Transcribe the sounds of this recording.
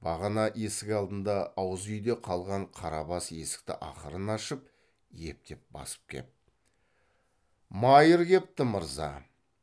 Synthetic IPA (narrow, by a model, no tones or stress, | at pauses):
b̥ɑʁɑnɑʔe̞sɪkʲɑlˠd̪ənd̪ɑːwəzʏjd̪e̞qʰɑlˠʁɑɴqʰɑɾɑbɑse̞sɪ̥k̚t̪ɪ̰ʔɑχəɾənɑʃəp̚ | je̞p̚t̪e̞p̚bɑ̰sə̥p̚kʲʰe̞̰t̪̚ | mɑjəɾɡʲe̞p̚t̪ɪməɾzɑ̰